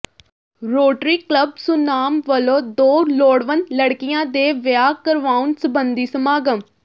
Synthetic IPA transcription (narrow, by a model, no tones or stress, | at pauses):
ɾoːʈɾiːkləbsʊnaːmʋəlõːd̪oːloːɽʋənləɽkɪjãːd̪eːʋɪjaːkəɾʋaːunsəbənd̪iːsəmaːɡəm